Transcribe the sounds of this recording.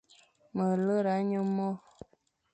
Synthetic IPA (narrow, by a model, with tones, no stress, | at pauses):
mə˨lə˦ɾa˨˦ɲə˦mɔ˦